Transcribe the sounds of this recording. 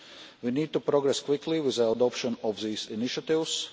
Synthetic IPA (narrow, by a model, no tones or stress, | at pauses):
winiːd̪̚t̪upɾɔɡɾɛskwɪkliwizəad̪ɔpʃɔ̃nɔfziːziniʃat̪ivs